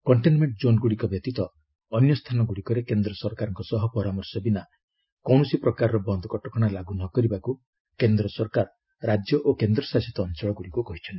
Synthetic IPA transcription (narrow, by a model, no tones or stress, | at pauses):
kɔɳʈenmeɳʈd͡ʒonɡuɽikɔbjɔt̪it̪ɔː | njɔst̪ʰanɔɡuɽikɔɾekend̪ɾɔsɔɾkaɾɔŋkɔsɔɦɔpɔɾamɔɾsɔbina | kɔwɳɔsipɾɔkaɾɾɔbɔnd̪ʱɔkɔʈɔkɔɽ̃alaɡunɔkɔɾibaku | kend̪ɾɔsɔɾkaɾ | ɾad͡ʒjɔʔokend̪ɾɔsasɔt̪ɔːnt͡ʃɔɭɔɡuɽikukɔɦit͡ʃʰɔnt̪i̥